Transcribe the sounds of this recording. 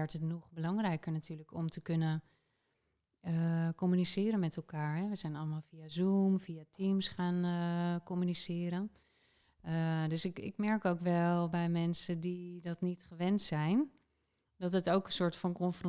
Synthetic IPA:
ɛɹtətnɔχbəlɑŋrɛjkəɹnatyːɹləkɔmtəkønən | əkɔmynisɪːɾənmɛtɛlˠkaːɹɦɛʋəz̥ɛjnɑləmaːlˠfiazumfiatimsχaːnkɔmynisɪːɾən | døsɪkɪ̰kmɛɹkowkʋɛlˠbɛjmɛnsədidɑtnitχəʋɛntsɛjn | d̥ɑtətowkə̃nsʊːɹtfɑnkɔnfr

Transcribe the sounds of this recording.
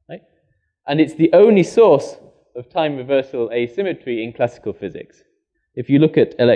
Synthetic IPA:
ɹaɪt̚ | ʔə̃nɨtsðiʔõʊ̃nlisɔɹs | əv̥tʰãɪ̃mɹɨvɜˑsəlˠeɪsɪ̃mɨt͡ʃɹ̥iɪ̃nkʰl̥asɪ̥kəlˠfɪzɪ̰ks | ɨfjəlʊkɨɾɪlɛ

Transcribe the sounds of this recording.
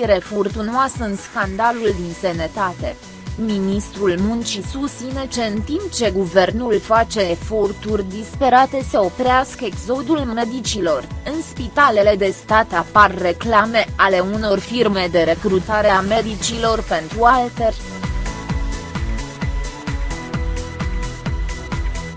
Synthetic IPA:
ɾe̞furt̪unoasɨnskand̪aluld̪insenət̪at̪e̞ | minist̪ɾulmunt͡ʃisust̪sine̞t͡ʃe̞ɨnt̪impt͡ʃe̞ɡuve̞rnulfat͡ʃe̞ːfo̞rt̪urʲd̪ispe̞ɾat̪e̞se̞o̞pɾeaskəeɡzo̞d̪ulme̞d̪it͡ʃilo̞rɨnspit̪ale̞le̞d̪e̞st̪at̪aparːe̞klame̞ale̞uno̞rfirme̞d̪e̞ɾe̞kɾut̪aɾe̞ame̞d̪it͡ʃilo̞rpe̞nt̪ɾualt̪erʲ

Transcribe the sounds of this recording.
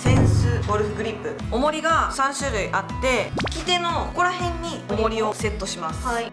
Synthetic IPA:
sẽ̞ɰ̃sɨboɾɯ̟ɸɯɡɯɾʲipːɯ̟o̞mo̞ɾʲiɡasãɰ̃ɕɨːɾɯ̟iʔat̪ːe̞i̥kʲit̪e̞no̞oko̞ɾahẽ̞ɲ̟ːiomo̞ɾʲio̞se̞t̪ːo̞ɕimasɨ̥

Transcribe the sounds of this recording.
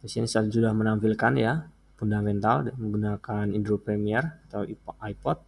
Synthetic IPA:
pəsinisasudahmənampilkanja | fundamɛnt̪alməŋɡunakanindɾopɾemiɛrat̪awipajpɔt̪̚

